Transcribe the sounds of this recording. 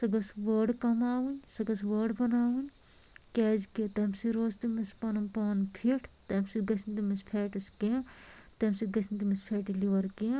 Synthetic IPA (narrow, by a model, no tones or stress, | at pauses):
sɐɡɐsʋɐːɖkɐmaːʋɨnʲsɐɡɐsʋɐːɖbɐnaːwɨnʲ | kɛːd͡ʒkẽt̪ɐmsiɾoːst̪imɐspɐnɐmpaːnpʰiʈʰt̪ɐmsiɡɐsʰinʲt̪imɐspʰɛːʈiskeːt̪ɐmsit̪̚ɡɐsʰinʲt̪imɐspʰɛːʈiliʋɐɾkeː